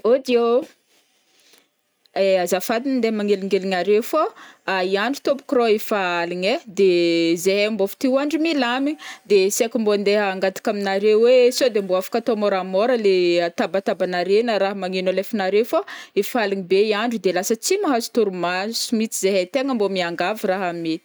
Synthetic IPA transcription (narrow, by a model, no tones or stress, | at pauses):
od̪io | azafad̪inənd̪emaŋeliŋeliɲaɾefoaiaɳɖ͡ʐut̪ompu̥kroifaliɲed̪ezeɦembofi̥t̪iaɳɖ͡ʐumilamid̪esekʲimboand̪eɦəaŋɡat̪i̥kaminaɾewesod̪emboafḁkat̪omoɾamoɾəleat̪abat̪abanaɾenəɾaɦəmaŋenolefinaɾewfoifaliŋibeiaɳɖ͡ʐud̪elasət͡simaɦazi̥t̪uɾumasumit͡sizeɦet̪eŋəmbomiaŋɡaviraɦamet̪i̥